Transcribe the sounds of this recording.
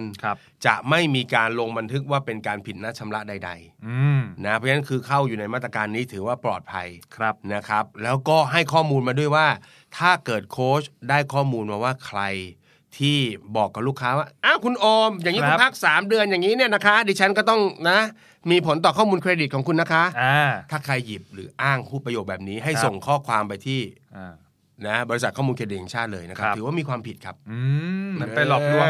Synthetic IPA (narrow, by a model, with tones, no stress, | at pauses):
n | t͡ɕa̰˨˩ʔma˥˩jmiː˧kaː˧nlo˧ŋba˧nt̪ʰɯ˦˥k̚waː˥˩pe˧nkaː˧npʰi˨˩t̪̚na˦˥t͡ɕʰa˧mla˦˥da˧jda̰˧j | na˦˥ɔ˦˥na˦˥nkʰɯː˧kʰa˥˩wjuː˨˩na˧jmaː˥˩t̪ɾa˧kaː˧nːiː˦˥t̪ʰɯː˩˦waː˥˩plɔ̰ː˨˩t̪̚pʰa̰˧jʰp̚na˦˥kʰa˦˥p̚lɛː˦˥wkɔː˥˩ɦa˥˩jkʰɔː˥˩muː˧nmaː˧du˥˩əjwaː˥˩ | t̪ʰaː˥˩kɤː˨˩t̪̚kʰoː˦˥sdaː˥˩jkʰɔː˥˩muː˧nmaː˧waː˥˩kʰɾa˧j | t̪ʰiː˥˩bɔː˨˩kːa˨˩p̚luː˥˩kʰːaː˦˥waː˥˩ʔaː˧˥˩kʰu˧nʔoː˧mjaː˨ŋiː˦˥kpʰa˦˥˩k̚saː˩˦mdɯ˧ənjaː˨˩ŋːiː˦˥ni˥˩ɐna˦˥kʰa˦˥diː˧t͡ɕʰa˦˥nkɔː˥˩t̪ɔ˥˩ŋna˦˥ | miː˧pʰo˩˦nt̪ɔː˨˩kʰɔː˥˩muː˧nkʰɾeː˧di˨˩t̪̚kʰːkʰu˧nːa˦˥kʰa˦˥ʔt̪ʰaː˥˩kʰɾa˧jːi˨˩p̚ɾɯː˩˦ʔaː˥˩ŋpʰuː˥˩p̚ɾa˧jo˨˩ɛː˨˩p̚niː˦˥ɦa˥˩jsso˨˩ŋkʰɔː˥˩kʰwaː˧mpa˧jt̪ʰiː˥˩ | na˦˥bɔː˧ɾi˦˥sa˨˩kʰɔː˥˩muː˧nkʰeː˧di˨˩e˧˩t͡ɕʰaː˥˩t̪̚lɤ̰ː˧jna˦˥kʰa˦˥˦ɯ˩˦waː˥˩miː˧kʰwaː˧mpʰi˨˩t̪̚kʰa˦˥p̚ːm˧˦a˧˩lɔː˨˩k̚nu˧˩